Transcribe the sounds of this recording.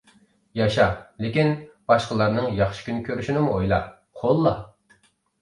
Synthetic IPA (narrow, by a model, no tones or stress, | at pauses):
jɑʃɑlɪkʲinb̥ɑʃqəlˠɑɾnɨŋjɑχʃi̥kʲynɪkʲʰøɾyʃinɪmuojlˠɑ | qʰolˠːɑ̰